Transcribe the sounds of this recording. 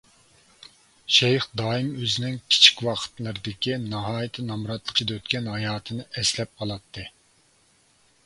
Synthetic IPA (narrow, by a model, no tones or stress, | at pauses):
ʃɛjχd̪ɑːɨmøzɪnɪŋkʲʰi̥t͡ʃʰi̥kʲwɑqʰə̥t̪lˠɨɾɨd̪ɪkʲinɑɦɑːjit̪ʰɨnɑmɾɑt̪lˠəqʰəd̪ɑøt̪kʲɛnhɑjɑːt̪ʰɨnɨʔɛslɛp̚qʰɑlˠɑt̪ʰːɨ